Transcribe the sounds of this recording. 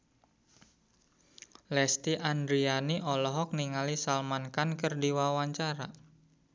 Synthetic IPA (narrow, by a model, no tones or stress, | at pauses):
lɛst̪iʔand̪ɾianiʔɔlɔɦɔk̚niŋalisalmankankərdiwawaɲt͡ʃaɾa